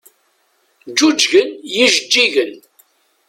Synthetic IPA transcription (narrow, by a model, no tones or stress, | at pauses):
d͡ʒud͡ʒʝənjiʒəd͡ʒːiʝən